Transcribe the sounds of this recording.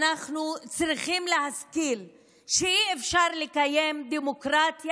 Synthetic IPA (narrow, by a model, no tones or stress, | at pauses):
naχnut͡sʁiχimleɦaskil | ʃeiefʃaʁlekaje̞md̪emokʁat̪j